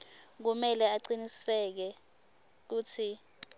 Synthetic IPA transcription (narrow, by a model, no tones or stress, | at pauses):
k̬umɛlɛaǃinisɛk̬ɛ | k̬uːtʰi